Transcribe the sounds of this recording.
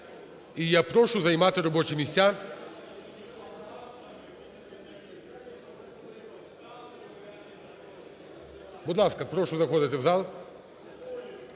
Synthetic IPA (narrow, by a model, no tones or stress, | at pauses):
ijapɾɔʃuzaimat̪ɛɾɔbɔt͡ʃimisʲa | bɔd̪lˠaskapɾɔʃuzaxɔd̪ɛt̪ɛvzalˠ